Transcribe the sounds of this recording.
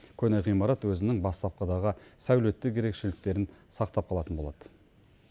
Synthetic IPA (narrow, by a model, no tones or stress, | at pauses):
kʲʰɵnejʁijmɑɾɑt̪wɵzɪnɪŋbɑst̪ɑp̚qɑd̪ɑʁəsæwle̞t̪ːɪkʲʰe̞ɾe̞kʃelɪk̚t̪e̞ɾɪnsɑqt̪ɑp̚qʰɑlˠɑt̪ənbo̞lˠɑd̪̥ə